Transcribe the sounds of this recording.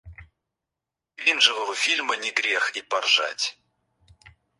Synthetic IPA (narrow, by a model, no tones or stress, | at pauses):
vʲinʐɨvəvəfʲilʲmənʲɪɡɾʲexipɐrʐa̰tʲ